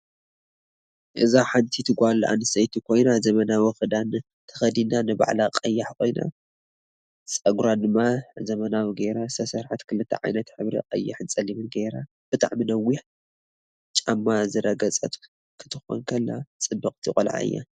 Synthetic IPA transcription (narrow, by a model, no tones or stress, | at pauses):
ʔɨzaħant̪ʰit̪ʰɨɡʷalʔa̰nɨsɐjt̪ʰikʰo̞jnazɐmɐnawɨxɨd̪an | t̪ʰɐ̥xɐd̪inanɨba̰ʕlaqʼɐjːaħkʰo̞jna̰ | t͡sʼɐɡɾad̪ɨmːazɐmɐnawiɡeɾasʰɐsɐɾħat̪kʰɨlɨt̪ʰːɐ̰ʕa̰jnɐt̪ħɨβɾḭqʼɐ̰jːaħɨnt͡sʼɐlimɨnɡeɾa | b̥ɨt̪ʼa̰ʕminɐwːiħ | t͡ʃʼamːazɨɾɐɡɐt͡sʼɐt̪ʼ | kʰɨ̥t̪ʰɨxo̰nkʰɐlːat͡sʼɨbːɐqʼt̪ʰikʼɐlʕa̰ɨ̰jːa̰